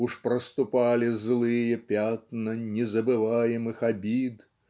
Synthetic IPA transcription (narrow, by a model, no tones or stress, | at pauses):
uʂpɾɐst̪upalʲizlˠɨjɐpʲat̪nɐnʲɛzɐbɨvajɛmɨxabʲid̪